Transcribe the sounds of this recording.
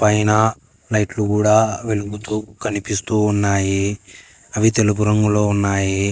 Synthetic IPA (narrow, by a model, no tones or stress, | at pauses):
pɐjnɐ | lɐjʈlukuːɽaːʋe̞luɡut̪uːkɐnipist̪uːnːaːji | ɐʋit̪elupuɾɐŋɡulo̞ːunːaːji